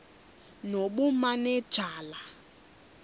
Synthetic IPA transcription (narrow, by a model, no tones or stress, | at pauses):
noɓumanɛd̥ʒ̥ʱaːla